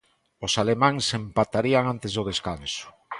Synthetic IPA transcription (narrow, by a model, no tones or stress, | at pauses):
osalemãŋsempat̪aɾiaŋant̪ezðoð̞eskansʊ̥